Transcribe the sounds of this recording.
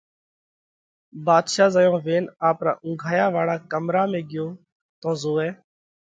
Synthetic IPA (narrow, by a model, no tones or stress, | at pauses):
baːd̪ʃaːzəjõːʋeːnaːpɾa̰ːʔʊ̃ŋːɡʱaːjaːʋaːɽaːkəmɾaːmẽːɠɪjõː | t̪õːzoːɛː